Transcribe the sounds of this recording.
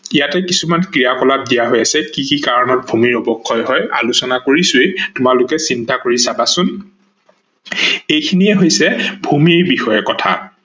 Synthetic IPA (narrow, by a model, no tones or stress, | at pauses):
ijatɛkisumankɹijakɔlap̚dijaɦojasɛkikikaɹɔnɔt̚bʱumiɹɔbɔkʰːɔjɦɔja̰lusɔnakoɹisʊetʊmalʊkɛsintakoɹisabasʊn | ejkʰiniɛɦojsɛbʱumiɹbixɔjɔkɔtʰa̰